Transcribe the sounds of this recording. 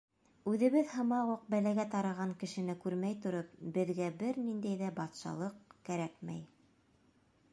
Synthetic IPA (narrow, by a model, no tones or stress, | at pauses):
ʉðɘ̆βɘðhɤ̆mɑʁuq̚bælæɡæt̪ɑɾɑʁɑŋkɘ̆ʃɘ̆nɘkʉɾmæjt̪ŏɾɤp̚bɘ̆ðɡæbɘɾnind̪æjðæbɑt̪ʃɑ̰lˠɤqkæɾækmæ̰j